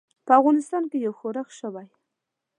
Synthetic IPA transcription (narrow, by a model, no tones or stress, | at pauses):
pəafɣɑnɪst̪ɑnkejawxoɾaxʃəwaj